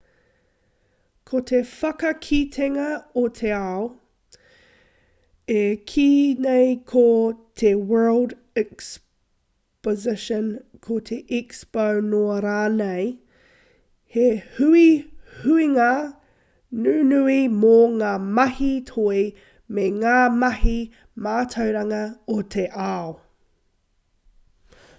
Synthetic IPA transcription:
kʰot̪ʰefɐkɐkʰit̪ʰeŋɐot̪ʰeao | ekʰiːnejkʰot̪ʰewɜ˞lˠd | ɛks | pozɪʃənkʰot̪ʰeʔɛkspownoɐɾaːnej | hehʉihʉiŋa | nʉːnʉimoŋaːmɐhit̪ʰoi | meŋaːmɐhi | maːt̪ʰɐwɾɐŋɐot̪ʰeʔaːo

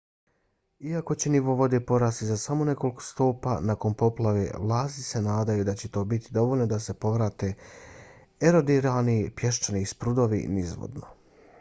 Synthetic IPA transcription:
iako̞t͡ɕeniʋo̞ʋo̞d̪epo̞ɾaːst̪izasamo̞ne̞ko̞liko̥st̪oːpa̰nako̞npo̞plˠaʋḛʋlˠaːst̪ise̞naːd̪ajud̪at͡ɕe̞t̪o̞ːbit̪id̪o̞ʋolnod̪ase̞po̞ʋɾaːt̪e̞ː | eɾo̞d̪iɾalnipje̞ʃt͡ʃanispɾud̪o̞ʋḭnizʋo̰d̪no̰

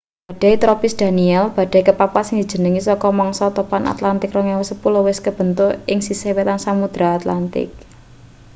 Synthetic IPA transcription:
bb̥a̤ɖ̥a̤it̪ɾɔpɪsd̪̥a̤niɛlb̥a̤d̥a̤ikəpapasɪŋd̪̥i̤̥d͡ʒ̥ə̤nəŋisɔkɔmɔŋsɔt̪opanʔa̰t̪lant̪ɪkrɔŋɛwɔsəpulowɪskəb̥ə̤nt̪ʊɪŋsisewet̪ansamud̪̥ɾaːt̪lant̪ɪ̰k̚

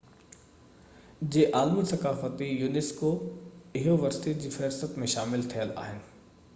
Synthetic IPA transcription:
d͡ʑeːʔaːlmisɐkaːfət̪ijuːneskoɪɦoʋɐɾstit̪̚d͡ʑiːfɛɾsət̪mẽʃaːmɪlt̪ʰijəla̰ːɦɪnɪ̆

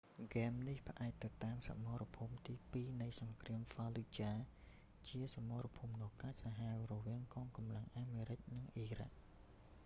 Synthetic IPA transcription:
ɡɛːmnihpʰə̆ʔaɛc̚t̪ɨwt̪aːmsa̰moːrɔpʰuːmt̪iːpiːnɨjsɑŋkriəmfalut͡ɕaː | t͡ɕiəsamoːrɔpʰuːmnoːkaːc̚saɦawrɔʋiəŋkɑːŋkɑmlaŋʔaːmeːɾɨc̚nɨŋʔiːra̰k̚

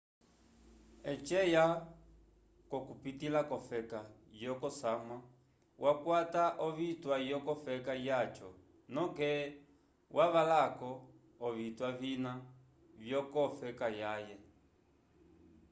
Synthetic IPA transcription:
ɛt͡ʃɛja | kɔkupitilakɔfɛkajɔkɔsama | wʔakwataʔɔβitwajɔkɔfɛkajat͡ʃɔ̰ | nɔ̃kɛ | wʔaβalakɔː | vitwavina | vjɔkɔfɛkajajɛ

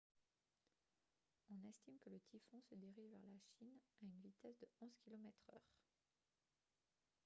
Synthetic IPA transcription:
ɔ̃nɛst̪imkələt̪ʰifɔ̃səd̪eʁiʒvɛʁlaʃinaynvit̪ɛsd̪əɔ̃z̥kʲilɔmɛt̪χœːʁ

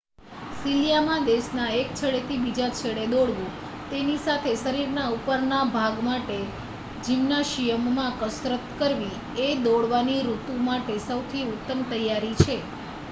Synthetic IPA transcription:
siljamãd̪eʃnaek̚t͡ʃʰəɽet̪ʰibid͡ʒat͡ʃʰəɽed̪oɽʋũ | t̪enisat̪ʰesəɾiɾnaupəɾnabʱaɡmaʈe | d͡ʒimnaʃijəmːãkəsɾət̪kəɾʋi | ed̪oɽʋaniɾut̪ũmaʈesəwt̪ʰiut̪ːəmt̪əjːaɾit͡ʃʰe

